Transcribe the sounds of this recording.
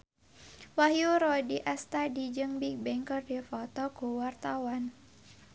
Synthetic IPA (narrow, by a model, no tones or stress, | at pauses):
wahjuɾɔdiʔast̪adid͡ʒɨŋbik̚bɛŋkɔrdɛfɔt̪ɔkuwart̪awan